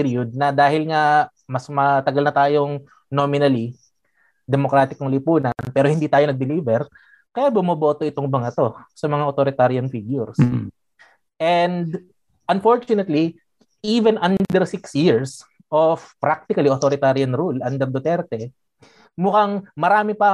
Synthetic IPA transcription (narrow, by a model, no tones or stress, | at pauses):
piɾiʊd̪̚nɐd̪aːhɪlŋɐ | mɐsmɐt̪ɐɡɐlnɐt̪aːjoŋ | noːmɪnɐli | d̪ɛmokɾaːt̪ɪkoŋlipuːnɐnpɛːɾohɪnd̪iːt̪aːjonɐɡ̚d̪ɪliːbɛɾ | kɐjabʊmɐbo̞ːt̪oʔɪt̪oŋmɐŋɐt̪o̞sɐmɐŋaʔot̪oɾɪt̪aɾjɐnfiɡjʊɾs | ʔɛnd̪ | ʔɐnfo̞ɹt͡ʃʊnɛt̪li | ʔivɛnʔandd̪ɛɾsɪksjiɹs | ʔofpɾak̚t̪ɪkɐliʔot̪oɾɪt̪aɾjɐnɾulɐnd̪ɛɾd̪ot̪ɛɾt̪ɛ | mʊkaŋmɐɾaːmɪpɐ